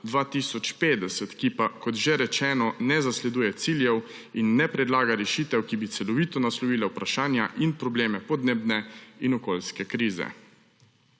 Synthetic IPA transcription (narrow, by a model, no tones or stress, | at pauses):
d̪ʋaːt̪iːsɔt͡ʃpeːd̪ɛsɛt̪kipakɔt̪ʒeɾɛt͡ʃɛːnɔnɛzaslɛd̪uːjɛt̪siːljɛw | inːɛpɾɛd̪laːɡaɾɛʃiːt̪ɛwkibit̪sɛlɔʋiːt̪ɔnaslɔʋiːlawpɾaʃaːnjaʔinpɾɔbleːmɛpɔd̪neːbnɛinɔkoːlskɛkɾiːzɛ̰